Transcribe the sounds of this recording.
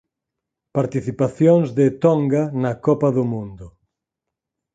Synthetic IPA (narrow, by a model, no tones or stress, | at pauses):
paɾt̪iθipaθjoŋzðɪt̪ɔŋɡanɐkɔpɐðʊmũnd̪ʊ